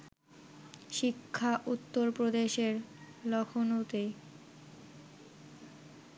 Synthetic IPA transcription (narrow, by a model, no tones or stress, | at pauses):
ʃikʰːaʔut̪ːoɾpɾod̪eʃeɾ | lɔkʰonot̪e